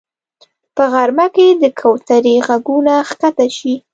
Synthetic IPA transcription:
pəɣaɾmaked̪əkʰawt̪aɾiɣaɡunaxkat̪aʃi

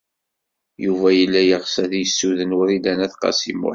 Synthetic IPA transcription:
juvæjəlːæjəʁsæθjəsːuðənwʊɾilænæθqɑ̰sḭmʊ̰

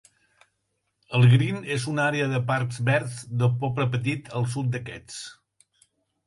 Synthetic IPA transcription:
əlˠɣɾinezunaɾeəðəpaɾkzβɛɾzðəpɔpɾəpət̪̬it̪ʰəlˠs̬ut̪̚d̪əkɛt͡s

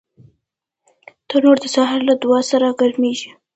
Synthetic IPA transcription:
t̪ənoɾd̪əsɑɦɪɾlad̪ʊwɑsaɾaɡaɾmeʒi

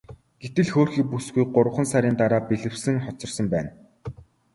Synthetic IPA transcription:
ɡ̥et̪ɘ̆ɮxoːrxiːk̚pusɡujɢʊɾwə̆χə̆nsaɾʲiːnt̪aɾaːpeɮɘ̆wsɘ̆ŋχɔt͡sɞ̆rsə̆mpæːn

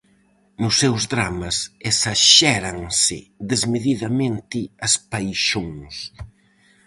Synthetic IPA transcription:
nʊsːewzðɾamɐsesaʃɛɾɐŋsɪðezmeðiðɐmẽnt̪ɪɐspajʃoŋs

